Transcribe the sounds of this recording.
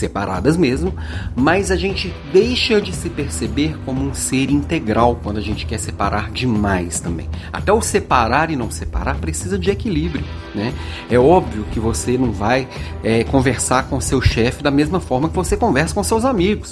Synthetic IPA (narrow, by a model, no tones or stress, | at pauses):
sepaɾa̰d̪ɐzmezmʊ | mɐzɐʒẽnt͡ʃɪd̪ejʃɐd͡ʒɪsɪpeɾsebeɾkõmʊũseɾĩnt̪eɡɾawkwɐ̃nd̪ʊaʒẽnt͡ʃɪ̥kɛsepaɾʔaɾd͡ʒɪmajst̪ɐ̃mbḛ̃j̃ | a̰t̪ɛʊsepaɾaɾɪnɐ̃w̃sepa̰ɾaɾpɾesizɐd͡ʒɪekilibɾiʊ | nɛ | ɛɔbviʊkɪvosenɐ̃w̃vaj | ɛkõveɾsaɾkõʊsewʃɛfɪd̪ɐmezmɐfɔɾmɐkɪvosekõvɛɾsɐ̥kõsewzamiɡʊs